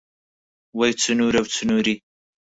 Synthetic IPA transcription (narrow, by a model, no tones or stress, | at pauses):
wajt͡sənuɾawt͡sənuɾi